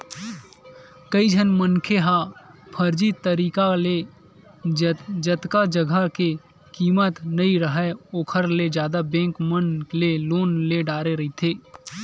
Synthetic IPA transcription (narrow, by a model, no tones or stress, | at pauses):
kəid͡ʒʱənmənkʰeɦapʰəɾd͡ʒit̪əɾiːkale | d͡ʒət̪kad͡ʒəɡʱəke | kiːmət̪nɐiɾəɦɛoːkʰəɾled͡ʒjaːd̪abɛ̃ːŋkmənleloːnleɖaːɾeɾɐit̪ʰeː